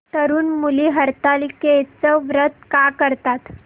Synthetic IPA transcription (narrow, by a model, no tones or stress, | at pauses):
t̪əɾuːnmuliːɦəɾt̪aliket͡səʋɾət̪kakəɾt̪at̪